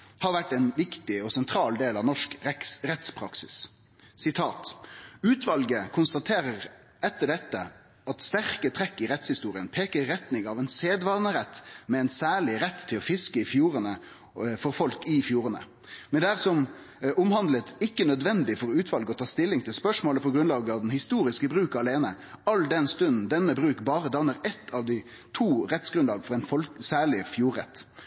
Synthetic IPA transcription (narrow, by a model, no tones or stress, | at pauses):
hɑɾʋæʈːɛɪnʋɪkt̪ɪɔsɛnt̪ʰɾɑːld̪eːlɑʋnɔʂkɾɛt̪spʰɾɑ̰ksɪ̰s | sɪt̪ʰɑːt̪ʉːt̪ʋɑlɡəkʰʊnst̪ɑt̪ʰeːɾəɾ | ʔɛt̪ːəɖɛt̪ːə | ɑt̪st̪æʁkət̪ʰɾɛkːɪɾɛt̪shɪst̪uːɾɪənpʰeːkəːɛt̪nɪŋɑʋɛnseːd̪ʋɑːʁnəɾɛt̪ːmɛɛɪnsæːɭɪɾɛt̪ʰːɪlɔfɪskəɪfjuːɾənə | fɔɾfɔlkɪfjuːɾənə̰ | mɛnd̪ɛæːʁsɔm | ʔʊmhɑnd̪lət̪ɪkːənœd̪ʋɛnd̪ɪfɔɾɔʉːt̪ʰʋɑlɡəɔt̪ʰɑːst̪ɪlːɪŋt̪ʰɪlspœʂmoːləpʰɔɡɾʉnlɑːɡəɑʋd̪ɛnhɪst̪uːɾɪskəbʁʉːkɑleːnə | ɑld̪ɛnst̪ʉnn̩d̪ɛnːəbɾʉːkbɑːɾəd̪ɑʋnəɾɛt̪ʰːɑʋd̪ɪ | t̪ʰuːʁɛt̪sɡ̥ɾʉnlɑːɡfɔɾɛɪnfɔsæːɭɪfjuːɾɛ̰t̪ː